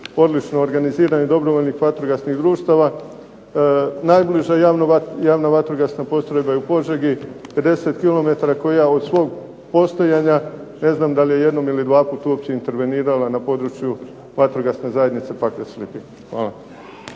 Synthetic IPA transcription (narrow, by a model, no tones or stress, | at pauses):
o̞d̪lit͡ʃnoːɾɡaniziːɾaɲed̪o̞bɾo̞ʋo̞ʎnixʋat̪ɾoɡasniɣd̪ɾuːʃt̪aʋa | najbliʒajanojaːʋnaʋat̪ɾoɡasnapo̞st̪ɾojbajeupo̞ʒeɡipe̞d̪e̞se̞t̪kilo̞me̞t̪aɾako̞jao̞d̪sʋo̞ːɡ | po̞st̪ojaɲane̞znaːmd̪alije̞je̞d̪no̞milid̪ʋaːpuːt̪uopt͡ɕeint̪e̞ɾʋe̞niːɾalanapo̞d̪ɾut͡ɕju | ʋat̪ɾoɡasne̞zajed̪nit̪se̞pakleslipi | xʋaːlˠa